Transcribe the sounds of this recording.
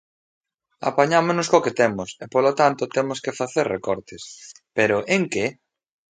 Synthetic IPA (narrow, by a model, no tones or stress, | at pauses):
a̰paɲamoznʊskoket̪emʊsepolot̪ant̪ʊt̪emoskefaθeɾrekɔɾt̪es | peɾʊʔeŋke